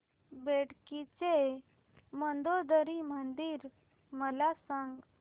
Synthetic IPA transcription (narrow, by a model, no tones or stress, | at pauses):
beɽkit͡se | mənd̪od̪əɾimənd̪iːɾ | məlasãŋɡ